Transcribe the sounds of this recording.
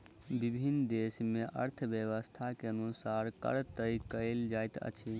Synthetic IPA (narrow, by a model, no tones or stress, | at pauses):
bibʱinːd̪esmeʔə̰ɾt̪ʰəbjəʋəst̪ʰakeənusaɾkə̰ɾt̪əjkəɪld͡ʒajt̪ə̰t͡ʃʰi